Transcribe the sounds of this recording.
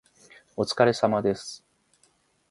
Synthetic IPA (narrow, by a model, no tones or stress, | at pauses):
o̞t͡sɨ̥kaɾe̞samad̪e̞sɨ̥